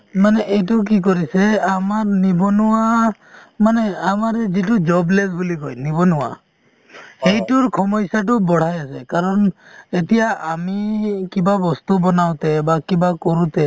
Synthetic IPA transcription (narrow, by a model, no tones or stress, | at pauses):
manɛʔejtuk̬ik̬ɔɾiseamaɹnibɔnuwa | manɛamaɾɛzitud͡ʒɔblesbulikɔjnibɔnuwa̰ | hejtuɹkʰɔmɔjsaʈ̬ubɔɽ̤ajasɛkaɾɔnetijaʔamikibabɔst̪ubɔnawt̪ɛbakibakɔɾut̪ɛ